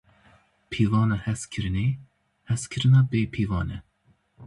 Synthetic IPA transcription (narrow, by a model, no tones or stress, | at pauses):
pʰiːvɑːnɑhɛskʰɨɾɨne | hɛskʰɨɾɨnɑːbeːpʰiːvɑːnɛ